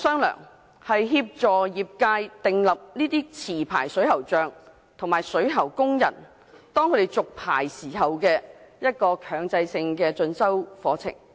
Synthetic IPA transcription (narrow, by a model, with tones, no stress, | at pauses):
sœː˥ŋlœ̰ː˨˩ŋ | hɐ˨jɦiː˧p̚t͡sɔː˨˩jiː˨p̚kaː˧jt̪ɪ˨ŋlɐ˨p̚niː˥t̪iː˥t͡sʰiː˨˩pʰa̰ː˨˩jsɵ˨˥ɥhɐ˨˩wt͡ʃœː˨ŋ | t̪ʰʊ˨˩ŋmaː˨jsɵ˨˥ɥɦɐ˨˩wkʊ˥ŋjɐ̰˨˩n | t̪ɔː˥ŋʰɵ˨˧t̪e˨˩jt͡sʊ˨k̚pʰa̰ː˨˩jsiː˨˩hɐ˨wkɛː˧jɐ˥t̚kɔː˧kʰœː˨˧ŋt͡sɐ˧jsɪ˧ŋkɛː˧t͡sɵ˧nsɐ˥wfɔː˨˧˥t͡sʰɪ̰˨˩ŋ